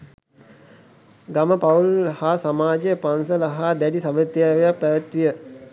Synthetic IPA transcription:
ɡaməpaulhasamaːd͡ʒejəpansəlaɦad̪æɖisaʋət̪jaːʋejak̚pæʋət̪ʋijə

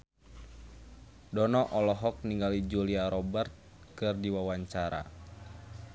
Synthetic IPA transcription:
dɔnɔʔɔlɔɦɔk̚niŋɡalid͡ʒuliaɾɔbɛrt̪̚ | kɨrdiwawaɲt͡ʃaɾa̰

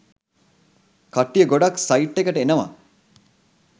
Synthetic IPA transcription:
kɐʈːijəɡoɖaksɐiʈːekəʈəenəʋa̰

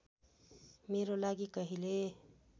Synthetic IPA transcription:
meɾolaɡikʌɦile

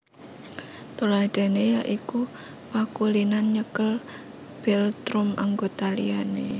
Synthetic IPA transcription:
t̪ulad̪̥a̤nejaʔiku | pakulinanɲəkəl | b̥ɛlt̪ɾʊma̰ŋɡot̪alḭane

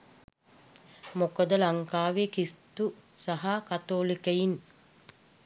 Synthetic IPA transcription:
mokəd̪əlɐŋkaːʋekist̪usaɦakat̪oːlikəjin

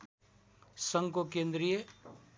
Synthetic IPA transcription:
sə̃ŋɡkokẽnd̪ɾije

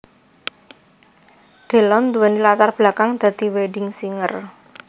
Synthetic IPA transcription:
ɖ̥e̤lɔnd̪uwanilat̪arb̥lakaŋd̪̥ä̤d̪̥i̤weɖɪŋsiŋə̰r

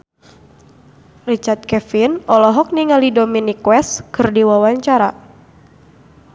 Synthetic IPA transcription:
rit͡ʃart̪̚kɛfinɔlɔɦɔk̚niŋalidominikwɛskɨrdiwawaɲt͡ʃaɾa

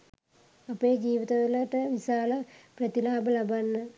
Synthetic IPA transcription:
ɐpːed͡ʑiːʋiðɐðilɐʈːɐʋisaːlɐprɐt̪ilaːbɐlɐbɐnːɨ

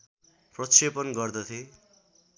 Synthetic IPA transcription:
prʌsepʌnɡʌrd̪ʌt̪ʰje

